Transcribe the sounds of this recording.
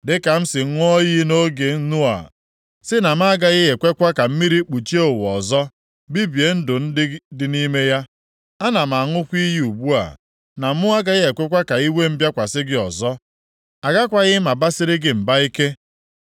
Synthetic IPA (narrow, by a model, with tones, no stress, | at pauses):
dɪ˦ka˨m̩˦sɪ˨˦ŋʷ˦ɔ˦ji˦no˦ɡe˨n̩˦nu˦a̰˨ | sɪ˦na˨m̩˦a˦ɡa˦ɣɪ˦e˨kʷe˦kʷa˦ka˨m̩˦mi˦ɾi˦k͡pu˨t͡ʃi˦o˦˨wɔ˨zɔ˦ | bi˦bje˨˦n̩˦dʊ˨n̩˦dɪ˦ni˦me˦ja˦ | a˦na˨ma˨a˨ŋʊ˦kʷi˦ji˦u˨bu˦a̰˨ | na˨m̩˦mʊ˦a˦ɡa˦ɣɪ˦e˨kʷe˦kʷa˦ka˨i˦we˦m̩˦bja˦kʷa˨sɪ˦ɡɪ˦ɔ˨zɔ˦ | a˨ɡa˦kʷa˨ɣɪ˦ma˨ba˦sɪ˦ɾɪ˦ɡɪ˨m̩˨ba˦i˦ke˦